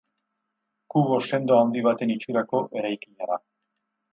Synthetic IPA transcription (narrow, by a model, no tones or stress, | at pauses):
kuβose̞nd̪oawnd̪iβ̞at̪e̞nit͡ʃuɾako̞ʔe̞ɾajkiɲaða